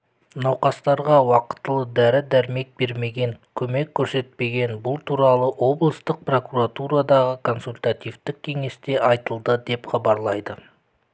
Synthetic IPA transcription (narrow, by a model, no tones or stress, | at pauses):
nɑwqɑst̪ɑɾʁɑwɑqə̥t̪ːəlˠəd̪æɾɪd̪æɾme̞k̚be̞ɾme̞ɡʲe̞ŋkʲʰɵme̞kʲʰːɵɾse̞t̪̚pe̞ɡʲe̞nbʊlˠt̪ʰuɾɑlˠəʔo̞blˠəst̪əq̚pro̞kuɾat̪uɾad̪ɑʁəkʰo̞nsulʲt̪at̪ijvt̪ɪk̚ʲʰːe̞ŋe̞st̪e̞ʔɑjt̪əlˠd̪əd̪e̞pχɑbɑɾlˠɑjd̪ə